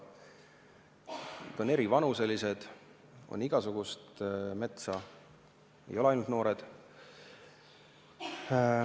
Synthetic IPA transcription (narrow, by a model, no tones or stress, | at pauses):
et̪one̞ɾivɑnuse̞lise̞d̪̥ | o̞̰nːiɡ̥ɑsuɡ̥ust̪me̞t̪sɑ | e̞̰jo̞leɑjnult̪no̞ːɾed̪̥